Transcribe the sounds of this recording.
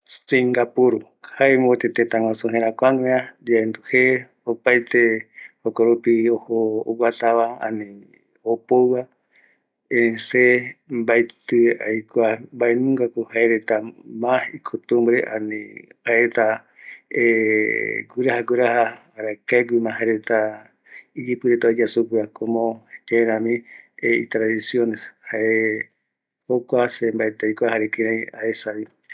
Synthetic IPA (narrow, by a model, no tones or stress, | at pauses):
sĩŋɡapuɾu | haemot̪et̪et̪aŋʷwãsuɦẽɾakʷaŋeãd͡ʒaend̪uhe | opajt̪ehokoɾupiohoːwʷat̪aβaã̰nĩ | opowwa | ẽsembajt̪ɨajkʷambaenũŋɡakohaeɾet̪amahikʰot̪umbɾeʔa̰nḭhaeɾet̪a | e | ɡuɾahaɡuɾaha | aɾakaeɡʷimãɦaeɾet̪a | id͡ʒipɨɾet̪aid͡ʒasupuakomõt͡ʃeɾãmĩeḭt̪ɾaðisjoneshae | hokʷasembaet̪ɨajkʷahaɾekiɾãĩaesaβi